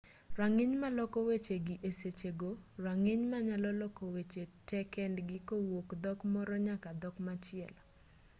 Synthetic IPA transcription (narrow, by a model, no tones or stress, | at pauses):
ɾwaŋɪɲmalɔkɔwet͡ʃeɡɪʔeset͡ʃeɡoɾaŋɪɲmaɲalɔlɔkɔwet͡ʃetɛkɛndɡɪkowokd̪ɔkmɔɾɔɲakad̪ɔkmat͡ʃɪɛlɔ